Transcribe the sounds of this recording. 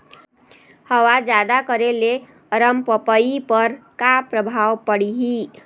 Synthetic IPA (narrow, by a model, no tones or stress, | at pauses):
həwad͡ʒad̪akəɾele | əɾəmpəpəipəɾkapɾəbʱawpəɽiɦi